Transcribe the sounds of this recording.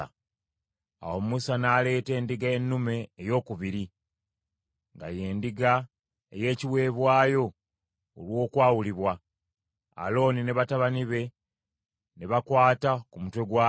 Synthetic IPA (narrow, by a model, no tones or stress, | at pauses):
a̰womusanaːle̞ːte̞ːndiɡaenːume̞ːjo̞ːkuβiɾi | ŋɡa̰je̞ːndiɡa | ḛje̞ːciwe̞ːβwaːjo̞ː | lwo̞ːkwaːwuliβwa | a̰lo̞ːnine̞βataβaniβe̞ | neβakwaːtakumutwe̞ɡwa